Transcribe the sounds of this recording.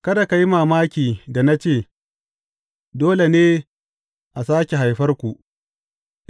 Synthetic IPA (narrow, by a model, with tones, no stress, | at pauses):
kɐ˦da˨ka˨ji˦maː˨maː˦kʲiː˨da˨na˦t͡ʃeː˦˨ | doː˦le˨neː˦ | ʔa˨saː˦kʲe˨ɦa˨jɸɐ˦rkʷu˨ʔ